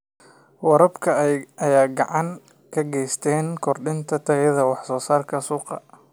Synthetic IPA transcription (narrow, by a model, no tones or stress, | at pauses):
wɐɾɐbkʰɐɐjaːɡɑʕɑŋ | kʰɐɡɛjst̪ʰɛːnkʰɔrɖɪnt̪ʰɐt̪ʰɐɛðɐwɑħsɔːsaːrkʰɐsuːqɑ̰